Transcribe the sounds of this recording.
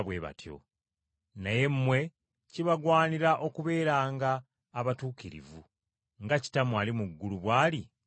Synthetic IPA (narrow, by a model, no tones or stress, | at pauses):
βwe̞βa̰tʰjo̰ | naje̞mːwe̞ | ciβaɡwaːniɾaʔo̞kuβe̞ːɾaːŋɡaː | βatuːkiɾḭvu | ŋɡaci̥tamwalimuɡːuluβwaːli